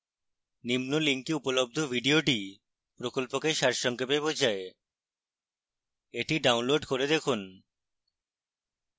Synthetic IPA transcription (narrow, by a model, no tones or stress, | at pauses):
nimnoliŋkiupolob̚d̪ʱobʱiɖioʈi | pɾokolpokeʃaɾʃɔŋkebebod͡ʑʱae | eʈiɖawnloɖkoɾed̪ekʰun